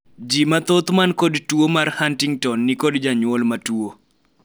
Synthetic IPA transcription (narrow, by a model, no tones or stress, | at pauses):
d͡ʒimat̪ot̪mankodtuomarhantɪŋtɔnːikodd͡ʒaɲwɔlmatuo